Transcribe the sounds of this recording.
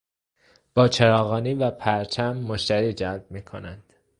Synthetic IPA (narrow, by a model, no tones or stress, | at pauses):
b̥ɒːt͡ʃʰeɾɒːɣɒːniːvæpʰæɾt͡ʃʰæmːoʃt̪æɾiːd͡ʒælb̚miːkʰonænd̪̥